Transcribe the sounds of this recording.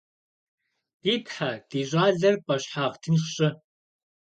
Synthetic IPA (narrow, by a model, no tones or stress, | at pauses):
d̥iːpħad̥iːɕʷʼaːɮɐrpʼɐɕħaːʁtʰɨnχɕʼɪ